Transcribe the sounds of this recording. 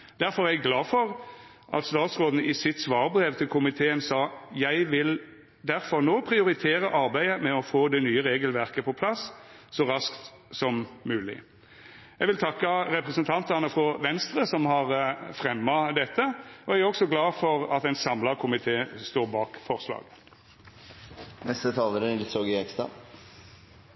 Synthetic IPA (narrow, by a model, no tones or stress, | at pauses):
d̪̥æɾfɔʁæɪɡlɑːfɔʁ | ʔɑ̰t̪st̪ɑːt̪sʁoːd̪n̩əɪsɪt̪sʋɑːʁbɾeʋt̪ʰɪlkʰʊmɪt̪ʰeːənsɑːjæɪʋɪl | d̪æɾfɔʁnoːpʰɾɪʊɾɪt̪ʰeːɾəʔɑɾbæɪəmɛɔfoːd̪ɛnyːəɾeːɡəlʋæʁkəpʰɔpʰlɑssɔɾɑskt̪sɔmmʉːlɪ̰ | jæɪʋɪlt̪ʰɑkːəɾɛpʁɛsənt̪ʰɑnt̪ɑnəfɾɔʋɛnst̪ʁəsɔmhɑʁfʁɛmːɑd̪ɛt̪ːəɔææʁɔksɔɡlɑːfɔʁɑt̪ɛɪnsɑmlɑkʰʊmɪt̪ʰeːst̪oːɾbɑːkfɔʁslɑ̰ːɡ | nɛst̪ət̪ʰɑːləɾənɪlsoːɡɪɛkst̪ɑ̰